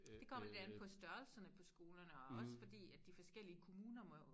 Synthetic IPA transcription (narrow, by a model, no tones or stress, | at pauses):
d̥e̝kʰɒ̽m̰ɐle̝d̥ænð̩ˠpʰɒ̽sd̥ɶɐlsɐnəpʰɒ̽sɡ̥o̝ːlɐnəɒ̽ɒ̽sfɒ̽d̥ḭːæd̥ifɒ̽sɡ̥el̰iəkʰo̝muːnɐmɒ